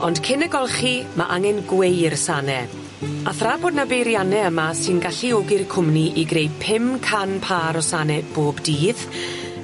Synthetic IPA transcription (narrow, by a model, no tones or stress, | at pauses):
ɔnd̥kʰɪnɛɡɔlˠχima̰ʔaŋɛnɡwejrsanɛ | aθraboːdnabejɾjanɛəmasɨnɡaɬioɡɪrkʰʊmniʔiɡrejpʰɪmkʰanpʰaːɾɔsanɛb̥oːbdiːð